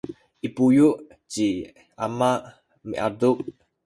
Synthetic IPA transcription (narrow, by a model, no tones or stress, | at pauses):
ʔipujuʔ | d͡ʒ̥i | amaʔ | mḭʔadʊk̚